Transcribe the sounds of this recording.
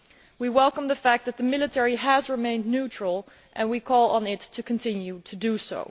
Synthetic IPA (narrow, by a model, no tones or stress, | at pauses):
wiwɛlˠkə̃mðəfæk̚ðɨt̪̚ðəmɪlˠɨtʰɛɹiəzɹɨmẽɪ̃nnʉt͡ʃɹ̥əl̩ˠ | ʔɨ̃nwikʰɔlˠə̃nɪtʰːɨkʰɨ̃n̩tʰɪ̃njʉtʰɨdɨso̰ʊ